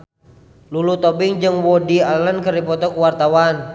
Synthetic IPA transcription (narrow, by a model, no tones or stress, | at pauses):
lulut̪ɔbiŋd͡ʒɨŋwɔdialənkəɾipɔt̪ɔkuwart̪awan